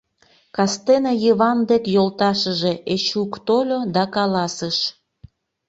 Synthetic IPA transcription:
kɑst̪enejiβɑnd̪ekjolt̪ɑʃəʒe̽ʔet͡ɕukt̪olʲod̪ɑkɑlɑsəʃ

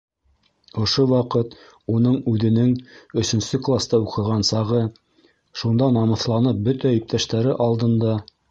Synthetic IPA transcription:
ŏʃowɑqɤt̪ | unɤɴʉðɘ̆nɘŋɵ̆sɵ̆nsɵklˠast̪ɑuqɤ̆ʁɑnsɑʁɤ | ʃund̪ɑnɑmɤ̆θlˠɑnɤp̚bɵt̪æip̚t̪æʃt̪æɾɘʔɑlˠd̪ɤ̆nd̪ɑ

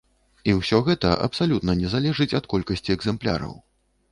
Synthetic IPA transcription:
iwsʲɔɣɛt̪ɐʔɐ̰psalʲut̪nɐnʲɛzalʲɛʐɨt͡sʲɐt̪kɔlʲkɐsʲt͡sʲiɛɡzɛmplʲa̰ɾɐ̰w

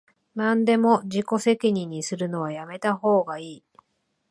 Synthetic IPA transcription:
nãnd̪e̞mo̞ʑiko̞se̞kʲiɲ̟iɲ̟ːisɨɾɯ̟no̞β̞ajame̞t̪aɦo̞ːɡaiː

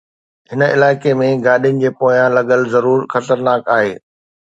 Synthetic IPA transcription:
ɦɪnəɪ̰laːɪkemẽɡaːɗijənɪ̆d͡ʑeːpoːjãlɐɠəlzɐɾuːɾxɐt̪əɾnaːkaːɦeː

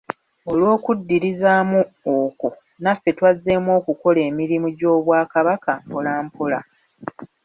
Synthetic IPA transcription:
olwo̞ːkudːiɾizaːmuoko̞ | nafːe̞twazːe̞mwo̞ːkuko̞le̞ːmiɾimuɟo̞ːβwaːkaβakampolaːmpola̰

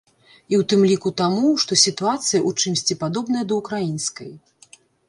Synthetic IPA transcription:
iwt̪ɨmlʲikut̪amuʂt̪ɔsʲit̪uat̪sɨjɐʔut͡ʂɨmsʲt͡sʲipad̪ɔbnɐjɐd̪ɐukɾajinskɐj

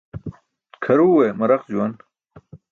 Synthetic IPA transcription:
kʰɐɾuːwemɐɾɐqd͡ʑuwɐn

